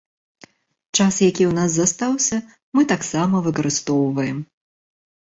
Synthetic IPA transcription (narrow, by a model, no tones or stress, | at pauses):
t͡ʂasjakʲiwnaszast̪awsʲɐ | mɨt̪aksamɐvɨkɐɾɨst̪ɔwvɐjɛm